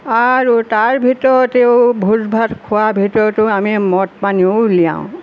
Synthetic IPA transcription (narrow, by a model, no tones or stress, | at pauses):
aɹutaɹbʱitɔɹɔteʊbʱuzbʱatkʰʊabʱitɔɹɔtʊamimɔtmaniʊlijã̰ʊ̃